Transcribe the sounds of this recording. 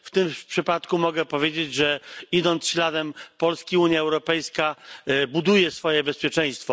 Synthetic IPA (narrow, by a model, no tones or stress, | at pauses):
ft̪ɘmpʂɘpat̪kumɔɡɛpɔvʲjed͡ʑed͡ʑʐɛid̪ɔnt̪sɕlad̪ɛmpɔlskʲiuɲjaɛwɾɔpɛjskabud̪ujɛsfɔjɛbɛspʲjɛt͡ʂɛ̃j̃st̪fɔ